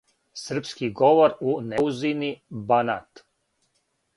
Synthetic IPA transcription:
sr̩pskiɡoʋoɾuneuzinibanat̪

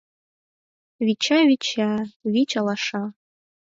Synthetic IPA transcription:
ɥit͡ʃʰaɥit͡ʃʰaɥit͡ʃʼalaʂa

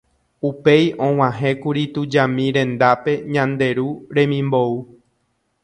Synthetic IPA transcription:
upe̞jʔõ̞w̃ãɦẽ̞kuɾit̪ud͡ʒamĩɾẽ̞nd̪ape̞ɲãnd̪e̞ɾuɾẽ̞mĩmbo̞u

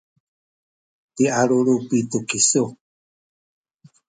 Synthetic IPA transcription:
tiaɺuɾupit̪ukisu

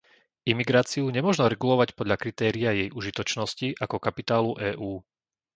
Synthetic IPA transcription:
imiɡɾaːt͡siuɲɛmʊɔʒnɔɾɛɡulɔʋacpɔd̪ʎakɾit̪ɛːɾiajɛjʔuʒit̪ɔt͡ʃnɔsciʔakɔkapit̪aːluʔɛːʔuː

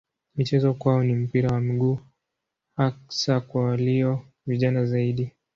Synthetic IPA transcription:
mit͡ʃɛzɔkwaɔnim̩piɾawamiɠuː | aksakwawaliɔ | viʄanazaiɗi

